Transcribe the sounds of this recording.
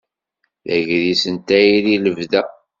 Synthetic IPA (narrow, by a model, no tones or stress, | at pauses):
ðæʝðisənt̪æjililəvðæ